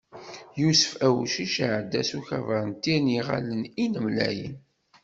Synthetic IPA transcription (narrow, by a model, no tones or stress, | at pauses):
jusə̥fæwʃiʃaʕəd̪ːæsuçævəɾˤənt̪ːiniʁa̰ləninəmlæ̰jə̰n